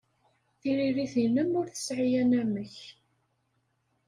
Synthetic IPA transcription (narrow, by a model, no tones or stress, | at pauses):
θiɾiɾiθinəmʊɾθə̥sʕijænæməç